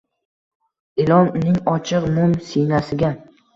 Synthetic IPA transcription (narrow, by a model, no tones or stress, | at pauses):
ɪlɒnnɪŋɒt͡ʃʰɨqmʊmsijnasɪɡʲa